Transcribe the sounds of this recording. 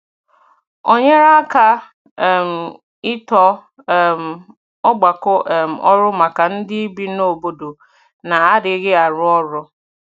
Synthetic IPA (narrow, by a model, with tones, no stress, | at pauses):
o˦ɲe˦ɾa˦ka˦˨ | m̩˨ | ɪ˦tɔ˦˨ | m̩˨ | ɔ˦ɡ͡ba˨kɔ˦ʔm̩˨ʔɔ˦ɾʊ˦ma˨ka˨n̩˦dɪ˦i˦bi˦no˦˨bo˦do˨ | na˨a˦dɪ˨˦ɣɪ˦a˨ɾʊ˦ɔ˦ɾɔ˦